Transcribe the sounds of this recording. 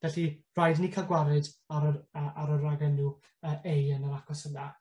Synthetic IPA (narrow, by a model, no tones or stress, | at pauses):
v̥ɛɬir̥ajdnikʰaɡwaɾɨdaɾɔdəːʔaɾɔdraɡɛnu | əːʔejənəɾakʰɔsəna